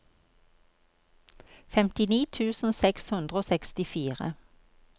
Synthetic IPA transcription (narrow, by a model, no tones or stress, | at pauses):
fɛmt̪ɪniːt̪ʰʉːsn̩sɛkshʉnd̪ʁəoːsɛkst̪ɪfiːʁə̰